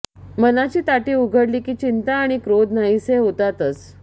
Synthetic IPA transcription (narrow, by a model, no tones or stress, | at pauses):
mənat͡ɕiːt̪aʈiːuɡʱəɽliːkiːt͡ɕint̪aːɽ̃ikɾod̪naiseɦot̪at̪ət͡s